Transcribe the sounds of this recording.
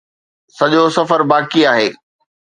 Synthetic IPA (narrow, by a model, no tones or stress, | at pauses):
sɐʄosɐfəɾbaːkiaːɦeː